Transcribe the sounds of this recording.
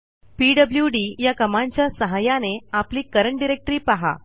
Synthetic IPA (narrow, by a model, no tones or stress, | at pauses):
piːɖəbljuɖiːjakəmaɲt͡ɕjasəɦajaneapliːkəɾəɳʈɖiɾek̚ʈɾiːpaɦa̰